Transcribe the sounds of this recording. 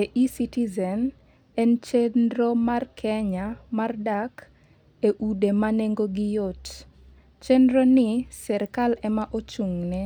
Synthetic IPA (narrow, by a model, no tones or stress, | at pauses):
eʔisitizɛn | ɛnt͡ʃendɾomarkʰɛɲamardak | eʔudemaneŋɡoɡɪjot | t͡ʃendɾonɪsɛɾkalɛmaʔot͡ʃuŋnɛ